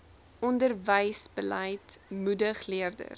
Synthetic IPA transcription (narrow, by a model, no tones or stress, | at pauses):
ɔndərvəjsb̥əlɐjtmudəχliərdə̰r